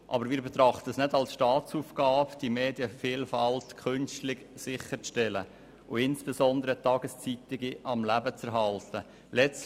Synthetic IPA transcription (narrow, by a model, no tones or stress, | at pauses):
ʔɑ̰bəɾmɪːɾbɛt̪ɾɑχt̪əsnɛdɑlsʃtɑːt͡sufɡ̥ɑːpd̥imeːdjəfiːlfɑltkʰʏnstlɪɡsɪχːəɾt͡sʃtɛlə̰ | ʊɪnsb̥esɔnd̪əɾət̪ɑːɡəst͡sit̪ɪɡiʔɑmlæbət͡sɛɾɦɑlt̪ə | lɛt͡s